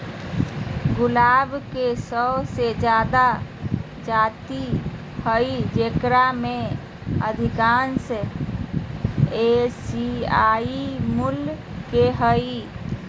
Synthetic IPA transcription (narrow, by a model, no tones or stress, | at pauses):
ɡulabʱkesəbsed͡ʒjad̪a | d͡ʒat̪i | həjid͡ʒekɾame | əd̪ʱikans | esiaimul | keɦəi